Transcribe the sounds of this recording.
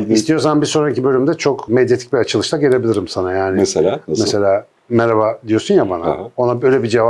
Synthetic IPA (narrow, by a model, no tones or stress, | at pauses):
ist̪ʰijosanbisoɾancibø̞lʲymd̪ɛt͡ʃʰo̞kmed̪jet̪ʰic̚biat͡ʃʰɯlˠɯʃt̪ˠaɟeɾʲebilʲiɾimsanajaːnɪːmese̞lʲaː | meɾaβad̪ijo̞sunjabana̰o̞nabø̞jlʲebid͡ʒeva